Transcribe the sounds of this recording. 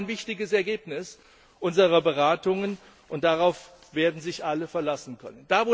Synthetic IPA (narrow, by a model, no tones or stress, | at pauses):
nvɪçtɪɡəsɛɐɡeːpnɪs | ʔʊnzəʁɐbəʁaːtʊŋən | ʔʊnt̚d̥aʁaʊf | v̥eːɐdn̩zɪçʔaləfɛɐlasn̩kʰœ̰nənd̥aːvoː